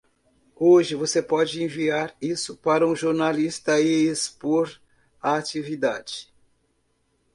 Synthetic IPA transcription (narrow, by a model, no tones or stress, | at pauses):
oʒɪvosepɔd͡ʒɪẽviaɾisʊpaɾɐũʒoɾnalist̪ɐɪspoɾ | aːt͡ʃivid̪ad͡ʒɪ